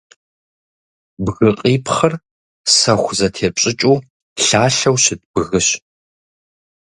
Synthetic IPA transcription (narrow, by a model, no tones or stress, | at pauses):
bɣɨqʼiːpʰχɐr | sɐxʷzɐtʰeːt͡ʃʷʼɪt͡ʃʼuː | ɬaːɬɐwɕɪd̚bɨɣɨɕ